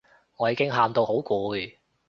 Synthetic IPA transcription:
ŋɔː˨˧jiː˨˧˥kɪ˥ŋɦaː˧mt̪o˧who˨˥wkuː˨˧j

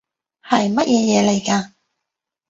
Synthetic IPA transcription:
hɐ˨jmɐ˥t̚jʔɛː˧jɛː˨˧le˨˩jkaː˧

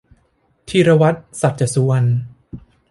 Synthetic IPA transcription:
t̪ʰiː˧ɾa˧wa˦˥t̪̚sa˨˩t̪̚t͡ɕa˨˩su˧wa˧n

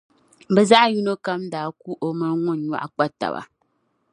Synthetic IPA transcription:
bɛ˨za˦ʔju˦no˦ka˦mdaː˨˦ku˦ʔo˦mɨ˦ɾŋʊ˦n˨ɲa̰˦ʔa˦k͡pa˦ta̰˨ba̰˨

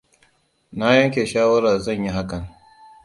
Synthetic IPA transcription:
na˦jɐ˦ŋkʲeː˨ʃaː˦wɐ˦ɾaː˨zɐ˦˨ɲji˦ɦa˦kɐ˨ŋ

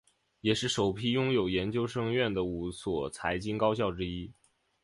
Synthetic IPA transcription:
jɛ˨˩ʂɻ̩˥˩ʂo˨˩ʊpʰi˥˩jʊ˥ŋjo˨˩ʊjɛ˧˥nt͡ɕjo˥ʊʂɤ˥ŋɥɛ˥˩nd̪ə˩u˧˥swɔ˨˩t͡sʰa˧˥ɪt͡ɕi˥nkɑ˥ʊɕ̬jɑ˥˩ʊʈ͡ʂɻ̩˥i˥

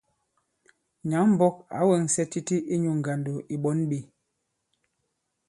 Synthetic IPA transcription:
ɲa˨˦ŋm̩˦˨bɔ˦ka̰˨˦wɛ˨ŋ˨sɛ˦ti˦ti˦ʔi˦ɲu˨ŋ˨ɡa˨ndo˨ʔi˨ɓɔ˦nɓi˦˨

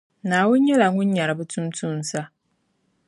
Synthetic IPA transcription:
naː˨wʊ˦nɲɛ˦la˨ŋʊ˦nɲa˨ɾɨ˨bɨ˦tʰʊ˦mtʰu˦n̩˨sa˦

